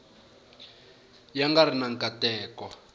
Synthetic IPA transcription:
jaŋɡaɾinaŋkʼatɛːkɔ

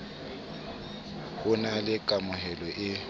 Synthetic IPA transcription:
hʊnalɪkʼamʊɦɛlɔʔɪ

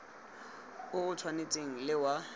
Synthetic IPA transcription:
ʊɣʊtʰwanet͡sʼeŋ̩lɪwa

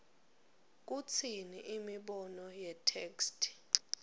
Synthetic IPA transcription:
k̬ut͡sʰiniʔimiɓɔnɔjɛtʰeːkstʰ

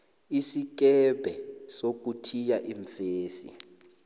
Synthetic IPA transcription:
isik̬ʼɛbʱɛsok̬ʼutʰijaʔiɱfeːsḭ

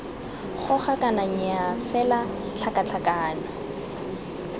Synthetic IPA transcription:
χʊχakanaɲɪafɛla | t͡ɬʰakat͡ɬʰakaːna

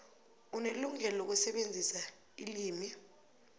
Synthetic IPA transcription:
uneluŋɛlok̬usɛɓend͡zʱisa | ḭliːmi

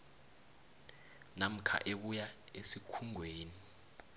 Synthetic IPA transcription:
nam̩kʰa̰ʔek̬ujaesikʰuŋʱweːni

